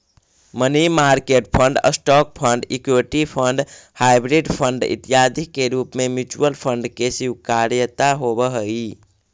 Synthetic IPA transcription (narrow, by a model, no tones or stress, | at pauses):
mənimaɾkeʈ̚pʰəɳɖə̰sʈɔk̚pʰəɳɖikeʈipʰəɳɖhajbɾiɖpʰəɳɖḭt̪ijad̪ʱikːeɾupmemjut͡ʃuwəlpʰəɳɖkesikaɾjət̪aɦobəɦəi